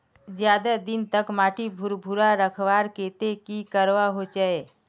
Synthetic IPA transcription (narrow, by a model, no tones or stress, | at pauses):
d͡ʒjaːd̪ad̪ɪnt̪əkmaːʈibʱʊɾbʱuɾaɾəkʰʋaːɾkeːt̪ekikəɾʋaɦot͡ʃae